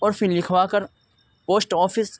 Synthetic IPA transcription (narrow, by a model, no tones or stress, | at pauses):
ɔːɾfʰɪllɪkʰʋaːkɐɾ | poːsʈɔːfɪs